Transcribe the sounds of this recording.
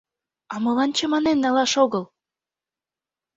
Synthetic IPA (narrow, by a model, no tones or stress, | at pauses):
ɑmɤ̆lɑnt͡ɕɤ̆mɑnenːɑlɑʃoɣɤ̆l